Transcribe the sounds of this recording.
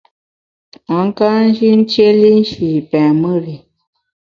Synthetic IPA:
a˨˦ŋ˦ka˦n̩˦d͡ʒi˦n̩˦t͡ʃje˦li˦n̩˦ʃi˨pɛ˨mə˦ɾi˨

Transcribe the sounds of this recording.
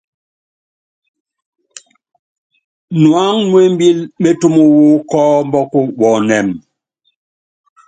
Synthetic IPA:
nwa˦ŋnwe˦m˦bi˦lme˦tu˦mu˦wu˦kɔ˦m˦bɔ˦ku˦wɔ˨nɛ˨m

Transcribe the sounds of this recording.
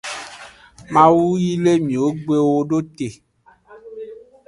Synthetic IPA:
mã˨wu˦ji˦le˦mĩ˨wo˦ɡ͡be˦wo˦ɖo˦t̪e˨

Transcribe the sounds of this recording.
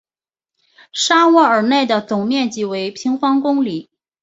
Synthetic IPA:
ʂa˥wɔ˥˩ə˞˨˩ne˥˩ɪd̪ə˩t͡sʊ˨˩ŋmjɛ˥˩nt͡ɕi˨˩we˧˥ɪpʰi˧˥ŋfɑ˥ŋkʊ˥ŋli˨˩˦

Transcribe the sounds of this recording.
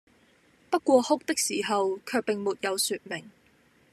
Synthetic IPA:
pɐ˥t̚kʷɔː˧hʊ˥k̚t̪ɪ˥k̚siː˨˩ɦɐ˨wkʰœː˧k̚pɪ˨ŋmuː˨˩t̚jɐ˨˧wsyː˧t̚mɪ˨˩ŋ

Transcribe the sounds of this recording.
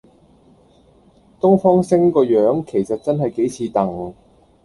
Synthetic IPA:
t̪ʊ˥ŋfɔː˥ŋsɪ˥ŋkɔː˧jœː˨˥ŋkʰe˨˩jsɐ˨t̚t͡sɐ˥nɦɐ˨jke˨˥jt͡sʰiː˨˧t̪ɐ˨˩ŋ

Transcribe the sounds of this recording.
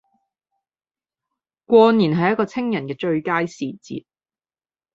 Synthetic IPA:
kʷɔː˧niː˨˩nɦɐ˨jɐ˥t̚kɔː˧t͡sʰɪ˥ŋjɐ˨˩nkɛː˧t͡ʃɵ˧ɥkaː˥jsiː˨t͡sḭː˨t̚

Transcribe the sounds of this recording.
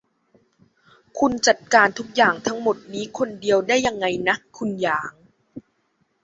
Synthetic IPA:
kʰu˧nt͡ɕa˨˩t̪̚kaː˧nt̪ʰu˦˥k̚jaː˨˩ŋt̪ʰa˦˥ŋmo˨˩t̪̚niː˦˥kʰo˧ndi˧əwdaː˥˩jːa˧ŋːa˧jna˦˥kʰu˧njaː˨˩˦ŋ

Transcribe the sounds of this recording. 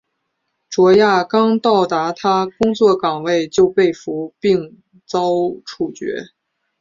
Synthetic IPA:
ʈ͡ʂwɔ˧˥ja˥˩kɑ˥ŋt̪ɑ˥˩ʊt̪a˧˥t̪ʰa˥kʊ˥ŋt͡swɔ˥˩kɑ˨˩ŋwe˥˧ɪt͡ɕjo˥˧ʊpe˥˩ɪfu˧˥pi˥˧ŋ | t͡sɑ˥ʊʈ͡ʂʰu˥˩t͡ɕɥɛ̰˧˥

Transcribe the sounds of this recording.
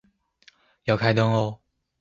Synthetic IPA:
ja˨˩kʰa˥˧ɪt̪ɔ˥ŋo˧

